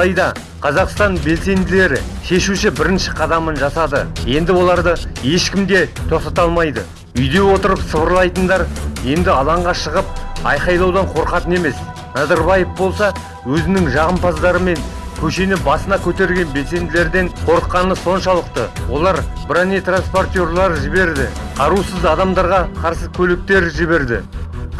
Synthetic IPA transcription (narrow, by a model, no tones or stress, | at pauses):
ɑjd̪ɑ | qʰɑzɑqst̪ɑnbe̞lse̞nd̪ɪle̞ɾɪʃe̞ʃuʃɪbɪɾɪnʃɪ̥qʰɑd̪ɑmənʒɑsɑd̪ə̰je̞nd̪ɪwo̞lˠɑɾd̪əje̞ʃkʲɪmd̪e̞t̪ʰo̞qt̪ɑt̪ɑlˠmɑjd̪ə | ʏjd̪e̞wo̞t̪əɾəpsəβəɾlˠɑjt̪ənd̪ɑɾje̞nd̪ɪɑlˠɑɴʁɑʃəʁəp̚ɑ̰jqɑjlˠɑwd̪ɑɴqʰo̞ɾqɑt̪əne̞me̞s | nɑzɑɾbɑjəfbo̞lˠsɑ | wɵzɪnɪŋʒɑʁəmpɑzd̪ɑɾəme̞ŋkʲʰɵʃe̞nɪbɑsənɑkʲʰɵt̪e̞ɾɡʲe̞nbe̞lse̞nd̪ɪle̞ɾd̪e̞ɴqʰo̞ɾəqːɑnəso̞nʃɑlˠəqt̪əwo̞lˠɑɾbɪɾæne̞t̪ranspo̞rt̪ʲjo̞ɾlˠɑɾʒɪbe̞ɾd̪ɪqʰɑɾusəzɑd̪ɑmd̪ɑɾʁɑqʰɑɾsəkʲʰɵlɪk̚t̪e̞ɾʒɪβe̞ɾd̪ɪ̰